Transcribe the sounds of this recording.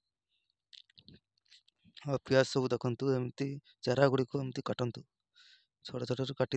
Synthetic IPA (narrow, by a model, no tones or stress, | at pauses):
ɐpijasɔbud̪ɐkʰɔnt̪uemt̪i | t͡ʃɐɾaɡuɽikoemt̪ikaʈɔnt̪u | t͡ʃʰɔʈɔt͡ʃʰɔʈɔɾukaʈi